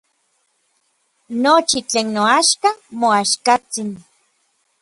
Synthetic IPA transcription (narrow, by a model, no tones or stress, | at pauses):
not͡ʃit͡ɬeːnːoaʃkamoaʃkat͡sin